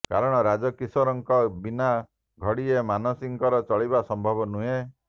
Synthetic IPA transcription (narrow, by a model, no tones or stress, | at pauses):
kaɾɔɽ̃ɔɾad͡ʒɔkisɔɾɔŋkɔbina | ɡʱɔɽiemanɔsiŋkɔɾɔt͡ʃɔɭibasɔmbʱɔbɔnuɦe